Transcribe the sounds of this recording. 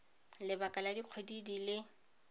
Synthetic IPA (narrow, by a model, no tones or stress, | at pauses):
lɪbakʼaladiq͡χʰwedidilɪ